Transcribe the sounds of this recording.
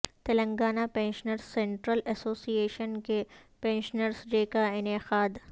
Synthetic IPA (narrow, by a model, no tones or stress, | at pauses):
t̪ɐlə̃ŋɡaːnapẽːnʃənəɾssẽɳʈɾəlɛsoːsieːʃənkepẽːnʃnəɾsd͡ʒeːkaɪnexaːd̪